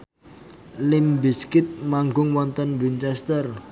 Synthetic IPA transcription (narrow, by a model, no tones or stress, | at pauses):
lɪmbiskɪt̪̚maŋɡʊŋwɔnt̪ənwint͡ʃɛst̪ər